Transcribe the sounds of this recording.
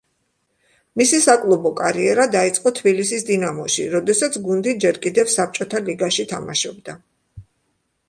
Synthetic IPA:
misisakʼlˠɔbɔkʼaɾiɛɾad̪ait̪sʼqʼɔt̪ʰbilisisd̪inamɔʃḭɾɔd̪ɛsat̪sʰɡund̪id͡ʒɛɾkʼid̪ɛfsap̚t͡ʃʼɔt̪ʰaliɡaʃit̪ʰama̰ʃɔbd̪a

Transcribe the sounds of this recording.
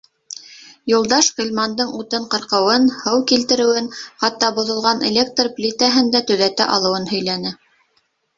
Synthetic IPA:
julˠd̪ɑʃʁilʲmɑnd̪ɤɴut̪ɤɴqɤ̆ɾqɤ̆wɤnhɤwkilt̪ɘ̆ɾɘ̆wɘnχɑt̪ːɑbŏðŏlˠʁɑnḛlʲek̚t̪rplʲit̪æɦɘnd̪æt̪ɵ̆ðæt̪æ̰ʔɑlˠɤ̆wɤnhɵ̆jlænɘ

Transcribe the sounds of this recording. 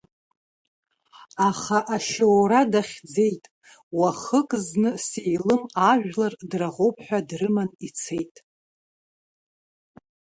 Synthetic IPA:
aχaʔaʃowɾadaχʲd͡ze̞jtʼ | waχəkʼznɨsejlɨmaʒᶣlardraʁowpʼʰħʷᶣadrɨmanit͡sʰe̞jtʼ

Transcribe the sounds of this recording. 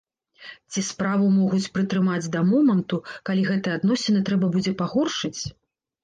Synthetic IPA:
t͡sʲispɾavumɔɣut͡sʲpɾɨt̪ɾɨmad͡zʲd̪ɐmɔmɐnt̪ukalʲiɣɛt̪ɨjɛad̪nɔsʲɛnɨt̪ɾɛbɐbud͡zʲɛpaɣɔrʂɨt͡sʲ

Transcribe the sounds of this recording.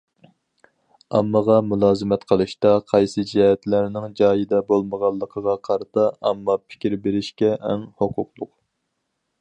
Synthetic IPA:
ɑmːəʁɑmulˠɑːzɨmɛt̪qʰəlˠɨʃt̪ɑqʰɑjsɨd͡ʒɛhɛt̪læɾnɪŋd͡ʒɑːjid̪ɛbolˠməʁɑlˠːəqʰəʁɑqʰɑɾɨt̪ɑɑmːɑpʰɪ̥kʲiɾbeɾɪʃkʲɛʔɛŋhoqʰʊqlˠʊq

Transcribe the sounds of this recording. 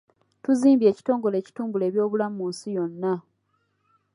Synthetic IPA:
tuziːmbje̞ːci̥to̞ːŋɡo̞le̞ːci̥tuːmbule̞ːβjo̞ːβulamuːnsijo̞nːa

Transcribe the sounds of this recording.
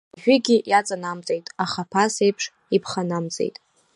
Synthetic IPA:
ʒᶣʏɡʲɪjat͡sʼanamt͡sʼejtʼaχapʰasejpʰʂ | ipʰχanamt͡sʼe̞̰jtʼ

